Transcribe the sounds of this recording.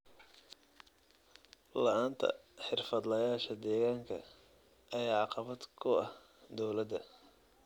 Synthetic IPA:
lɐʔaːnt̪ʰɐ̰ħɪrfɐd̪lɐjaːʃɐd̪ɛːɣaːŋkʰɐ̰ | ʔɐjaːʕɑqɑβɐd̪kʰʊɐh | d̪ɔwlɐd̪ɐ

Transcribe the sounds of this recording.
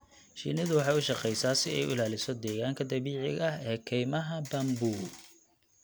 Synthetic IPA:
ʃḭnɪðʊwɑħɑːjʊʃɑqɛjsaːsɪɛjʊlaːlɪsɔd̪ɛːɣaːŋkʰɐd̪ɐβiːʕɪɣɐhɛːkʰɛjmɐɦɐbɐmbuː

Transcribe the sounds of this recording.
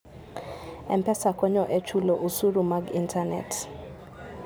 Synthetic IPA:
ɛmpɛsakɔɲɔʔɛt͡ʃulɔʔusuɾumaɡintʰanɛ̰t

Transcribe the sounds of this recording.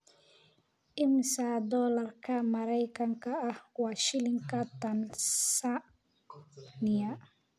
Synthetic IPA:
ʔɪmsad̪ɔːlɐrkʰɐmɐɾɛjkʰɐŋkʰɐːhwɑːʃɪlɪŋkʰɐt̪ɐnsa | nɪja

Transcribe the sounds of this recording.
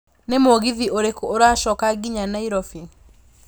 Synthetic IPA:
nemoɣiðiʔoɾekooɾaʃɔkaɡiɲanaiɾɔfi

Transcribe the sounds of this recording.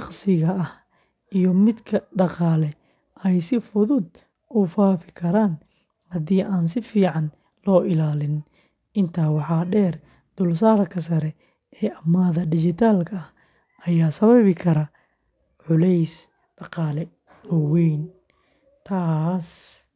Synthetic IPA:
ɑqsɪɣɐɐh | ijɔmɪd̪kʰɐɖɑqɑːlɛ | ʔɛjsɪfʊðʊd̪ | ʊfaːfɪkʰɐɾaːn | hɐðiːʔaːnsɪfiːʕɑn | lɔːʔɪlaːlɪn | ɪnt̪ʰaːwɑħɑːɖɛːr | d̪ʊlsaːɾɐkʰɐs̬ɐɾɛ | ɛːɐmːaːðɐɖɪt͡ʃɪt̪ʰaːlkʰɐɐh | ɐjaːsɐβɐβɪkʰɐɾɐ | ʕʊlɛjs | ɖɑqɑːlɛ | lɔwiːn | t̪ʰaːs

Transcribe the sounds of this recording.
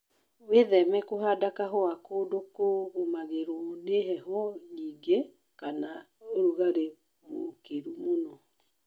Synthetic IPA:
weðɛmɛkoɦadakaɦoakoːdokoɣomaɣeɾɔneɦɛɦɔɲiɡe | kana | oɾuɣaɾe | mokeɾumonɔ

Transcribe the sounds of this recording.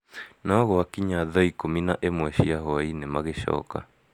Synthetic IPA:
nɔɣoakiɲaðɔikominaʔemwɛɕiaɦɔainemaɣeʃɔ̰ːka̰

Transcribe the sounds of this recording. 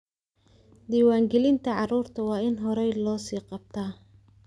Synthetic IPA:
d̪iːwɑːŋɡɛlɪnt̪ʰɐʕɑruːrt̪ʰɐwɑːɪnɦɔɾɛjlɔːsiːqɑb̚t̪ʰaː

